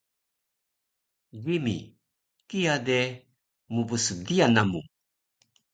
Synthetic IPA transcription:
ɡimḭ | kijade | mubəsədianamu

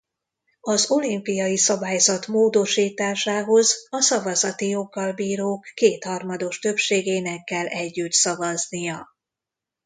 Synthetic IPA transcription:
ɒzo̞limpijɒjisɒbaːjzɒt̪moːd̪o̞ʃiːt̪aːʃaːɦo̞zɒsɒvɒzɒt̪ijo̞ɡːɒlbiːɾoːkːeːt̪hɒrmɒd̪o̞ʃt̪ø̞pʃeːɡeːnɛkːɛlːɛɟːyt̪sɒvɒznijɒ

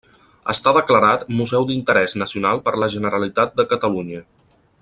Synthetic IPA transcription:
ə̰st̪aðəkləɾat̪muzɛwd̪int̪əɾɛznəsiunalˠpəɾləʒənəɾəlit̪at̪̚d̪əkət̪əluɲə

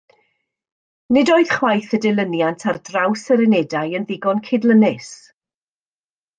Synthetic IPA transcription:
nɪdoːɨð̥χwajθədɪlˠənjantʰardrawsəɾɪnɛdajənðɪɡɔnkʰɪdlˠənɪs

